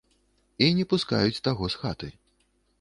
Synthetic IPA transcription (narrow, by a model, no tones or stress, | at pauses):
inʲɛpuska̰jut͡sʲt̪aɣɔsxat̪ɨ